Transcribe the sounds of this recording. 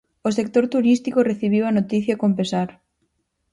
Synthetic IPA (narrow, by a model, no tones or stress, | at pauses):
osek̚t̪oɾt̪uɾist̪ikoreθiβ̞iwanot̪iθjakompesaɾ